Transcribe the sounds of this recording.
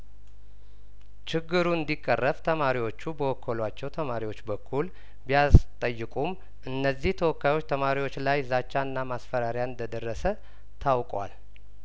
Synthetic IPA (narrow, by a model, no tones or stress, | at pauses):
t͡ʃɪɡːɨɾuɨnd̪ikʼːərːəft̪ʰəmaɾiwo̞t͡ʃːubəwɔkʰːəlwat͡ʃːɛwt̪ʰəmaɾiwo̞t͡ʃːbəkʰːul | bijast̪ʼəjːɨkʼum | ʔɨnːəzːiht̪ʰəwɔkːajwot͡ʃːt̪ʰəmaɾiwo̞t͡ʃːlajzat͡ʃːaɨnːamasfəɾaɾjanɨnd̪əd̪ərːəsə | t̪ʰawkʼwa̰l